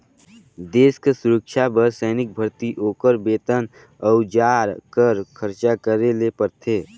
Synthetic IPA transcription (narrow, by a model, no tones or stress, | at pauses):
d̪eːskesʊɾəkʃabəɾsɛːnɪk̚bʱəɾt̪iʔoːkəɾbeːt̪ən | ɔʊd͡ʒaːɾkəɾkʰəɾt͡ʃakəɾelepəɾt̪ʰeː